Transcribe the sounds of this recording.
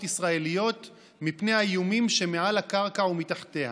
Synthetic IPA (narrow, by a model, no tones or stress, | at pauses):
tisʁae̞lijo̞t̪ | mipne̞jhajumimʃe̞mealakaʁkaumitaχt̪e̞ha̰